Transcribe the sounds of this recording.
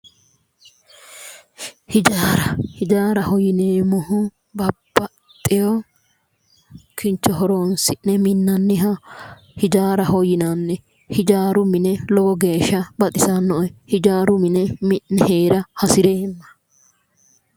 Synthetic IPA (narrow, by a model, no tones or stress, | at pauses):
hɪd͡ʒaːɾɐhɪd͡ʒaːɾɐhɔjɪneːmɔhʊ | bɐb̥ːɐ | t̪ʼːɪjɔ | kʰɪnt͡ʃːɔɦɔɾoːnsɪnnɛmɪnːɐnːɪɦɐ | hɪd͡ʒaːɾɐhɔjɪnanːɛ | hɪd͡ʒaːɾʊmɪnɛlɔɡɔɡe̞ːʃːɐbɐt̪ʼɪsɐnːɔʔhɪd͡ʒaːɾʊmɪnɛmɪʔnɛheːɾɐhɐsɪɾeːnːɐ̥